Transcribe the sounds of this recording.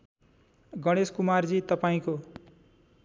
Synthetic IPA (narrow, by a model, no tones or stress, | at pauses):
ɡʌɽ̃eskumard͡zit̪ʌpaĩko